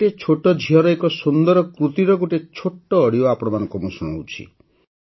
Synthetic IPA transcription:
et͡ʃʰoʈɔd͡ʒʱiɦɔɾɔekɔsund̪ɔɾɔkɾut̪iɾɔɡoʈet͡ʃʰoʈːɔːɽioapɔɾɔmanɔ̃ŋkɔmusuɽ̃a̰wt͡ʃʰḭ

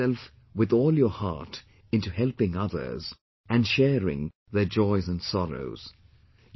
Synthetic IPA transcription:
ɛlˠf | wɨðɔːlˠjə˞hɑ̰ɹt | ɪ̃ntuhɛlˠpɪ̃ŋʌðə̰˞z | ʔɨ̃nʃɛɹɪ̰̃ŋ | ðə˞d͡ʒɔɪzɨ̃nsɑɹo̰ʊz̥

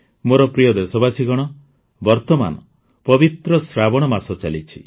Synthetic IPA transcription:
moɾɔpɾijɔd̪esɔbasiɡɔɽ̃ɔ | bɔɾt̪ɔma̰nɔ̰ | pɔbit̪ɾɔsɾabɔɽ̃ɔmasɔt͡ʃalit͡ʃʰi

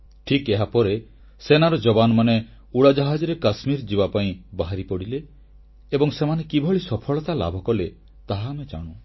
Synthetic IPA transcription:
ʈʰikeɦapɔɾe | senaɾɔd͡ʒɔbanɔmane | uɽad͡ʒaɦad͡ʒɔɾekasmiɾd͡ʒibapaĩbaɦaɾipɔɽileː | bɔŋsemanekibʱɔɭisɔpʰɔɭɔt̪ala̰bʱɔkɔle | t̪aɦaːmed͡ʒa̰ɽ̃ũ

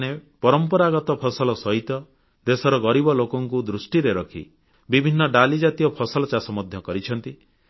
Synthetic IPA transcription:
nepɔɾɔmpɔɾaɡɔt̪ɔpʰɔsɔlɔsɔɦit̪ɔ | d̪esɔɾɔɡɔɾibɔlokɔŋkud̪ɾusʈiɾeɾɔkʰḭ | bibʱinːɔɖalid͡ʒat̪ijɔpʰɔsɔlɔt͡ʃasɔmɔd̪ʱjɔkɔɾit͡ʃʰɔnt̪i

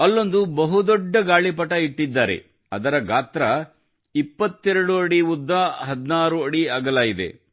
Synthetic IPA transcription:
ɐlːond̪ubɐɦud̪ɔɖːɐɡaːɭipɐʈɐiʈːid̪ːaːɾe̞̰ | ɐd̪ɐɾɐɡaːt̪ɾɐ | ipːɐt̪ːɛɾɐɽuɐɽiud̪ːaɦɐd̪naːɾuɐɽiɐːɡɐlaːjid̪e̞̰

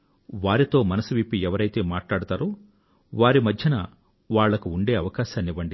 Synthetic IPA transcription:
ʋaːɾit̪o̞ːmɐnɐsuʋipːiɛʋɐɾɐjt̪e̞ːmaːʈlaːɽut̪aːɾoː | ʋaːɾimɐd̪ʱjɐnɐ | ʋaːɭːɐkuuɳɖe̞ːɐʋɐkaːʃaːniʋɐɳɖi

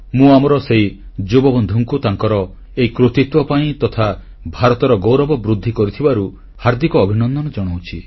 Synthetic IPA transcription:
mũamɔɾɔsei | d͡ʒobɔbɔnd̪ʱuŋkut̪aŋkɔɾɔ | eikɾut̪it̪wɔpaĩt̪ɔt̪ʰa | bʱaɾɔt̪ɔɾɔɡowɾɔbɔbɾud̪ʱːikɔɾit̪ʰibaɾu | haɾd̪ikɔːbʱinɔnd̪ɔnɔd͡ʒɔɽ̃owt͡ʃʰi

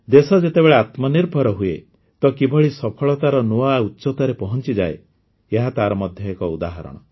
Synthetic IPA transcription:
d̪esɔd͡ʒet̪ebeɭeat̪mɔniɾbʱɔɾɔɦuḛ | t̪ɔkibʱɔɭisɔpʰɔɭɔt̪aɾɔnuautːt͡ʃɔt̪ɔɾepɔɦɔnt͡ʃid͡ʒae | eɦat̪aɾɔmɔd̪ʱjɔekɔud̪aɦɔɾɔ̰ɽ̃ɔ̰

